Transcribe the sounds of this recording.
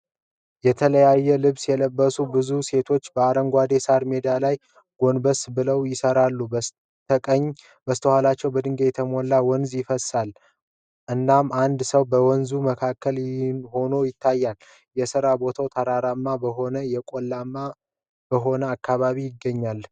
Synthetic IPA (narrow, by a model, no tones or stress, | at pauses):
jɛt̪ʰələjajːɛlɨβsjɛləbːəsubɨzuse̞t̪ʰo̞t͡ʃːbəaɾəŋɡʷad̪e̞saɾme̞d̪alaj | ɡ̥o̞nbəsbɨləwjɪsəɾalːu | t̪ʰəkʼəɲː | bəst̪ʰəhalat͡ʃːɛwbəd̪ɨŋɡejɛt̪ʰəmo̞lːawɔnzjɪfəsal | ʔɨnːamand̪səwbəwɔnzuməkʰakːəlnho̞no̞jɪt̪ʰːajːal | jɛsɨɾabo̞t̪ʰawt̪ʰaɾaɾamːabəɦo̞nəjɛkʼo̞lːama | b̥əɦo̞nəakːaβaβijɪɡːəɲːal